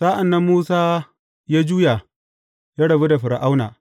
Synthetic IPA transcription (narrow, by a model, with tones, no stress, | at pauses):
sa˦ʔa˨nːa˦mːuː˦saː˦ | jaː˦d͡ʒuː˦ja˨ | jaː˦ɽɐ˨bi˦da˨ɸɪ˨ɾa˨ʔa˦wna̰ː˨